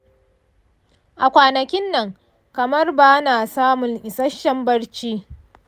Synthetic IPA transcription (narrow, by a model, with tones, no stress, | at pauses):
ʔa˨kʷaː˨nɐ˨kʲɪ˦nːɐ˨ŋ | kɐ˨mɐ˦rba˦naː˨saː˦mʊ˨ŋʔɪ˨sɐ˦ʃɐ˦mbɐ˦ɽt͡ʃiː˦